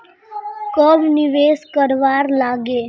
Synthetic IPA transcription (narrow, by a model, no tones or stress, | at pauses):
kɔbniʋeskəɾʋaɾlaɡe